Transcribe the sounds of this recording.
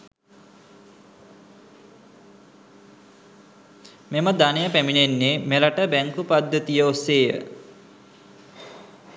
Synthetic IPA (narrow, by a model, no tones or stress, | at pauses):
meməd̪anejəpæminenːemelaʈəbæŋkupad̪ːət̪ijəosːeːjə̰